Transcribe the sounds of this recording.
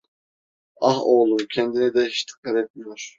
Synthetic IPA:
ɑhoːlˠumcʰɛnd̪inɛd̪ɛhiʃt̪ʰi̥kːalɛt̪̚mijoɾ̥

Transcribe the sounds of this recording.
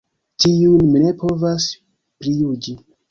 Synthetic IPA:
tiunmine̞pʰo̞vas | pɾijud͡ʒi

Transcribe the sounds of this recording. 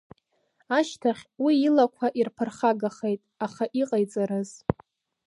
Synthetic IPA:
aʃtʰaχʲwiːlakʷʰaʔirpʰɨrχaɡaχejtʼaχaʔiqʼajt͡sʼaɾɨz̥

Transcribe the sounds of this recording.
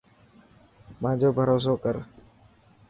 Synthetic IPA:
mãːd͡ʒoːbʱəɾoːs̬oːkəɾ

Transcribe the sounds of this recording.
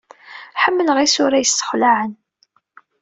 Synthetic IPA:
ħəmːələʁisʊɾæjəsːə̥χlaʕən

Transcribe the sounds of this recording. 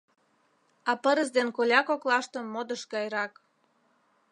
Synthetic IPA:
ɑpəɾəzd̪enkolʲɑkoklɑʃt̪ə̆mːod̪əʃɡɑjɾɑk

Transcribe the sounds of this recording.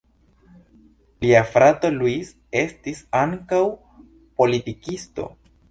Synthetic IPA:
liafɾato̞luis | e̞stisaŋkaw | po̞litikisto̞̰

